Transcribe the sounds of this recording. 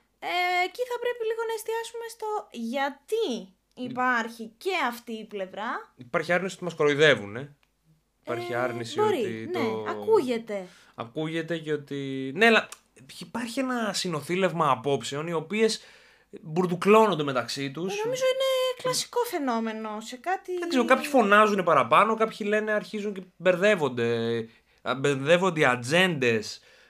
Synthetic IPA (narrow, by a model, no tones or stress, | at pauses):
eːciθɐpɾe̞piliɣo̞nɐest̪iɐsume̞st̪o̞ʝɐt̪iː | pɐɾçice̞ɐft̪iːple̞vɾɐipɐɾçiɐɾnisiot̪imɐskoɾoiðe̞vune̞ | ipɐɾçiɐɾnisboɾiineɐkuʝe̞t̪e̞ | ɐ̰kuʝe̞t̪e̞cot̪ine̞ɐlɐ | ipɐɾçienɐsino̞θile̞vmɐːpo̞pse̞o̞nio̞pie̞s | buɾðuklo̞nond̪eme̞t̪ɐksit̪usnomizoineklɐsi̥ko̞fe̞no̞me̞no̞sekɐt̪iðɐkzeɾokɐpçifo̞nɐzune̞pɐɾɐpɐno̞kɐpçile̞neɐɾçizuɲce̞be̞ɾðe̞vo̞nd̪e̞ | beðe̞vo̞nd̪eiɐd͡ze̞nd̪e̞s